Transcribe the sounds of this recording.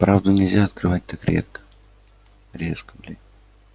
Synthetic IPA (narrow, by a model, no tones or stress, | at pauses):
pɾavd̪ʊnʲɪlʲzʲaɐt̪kɾɨvat̚ʲt̪akɾʲḛt̪̚kə̥ | ɾʲeskəblʲɪ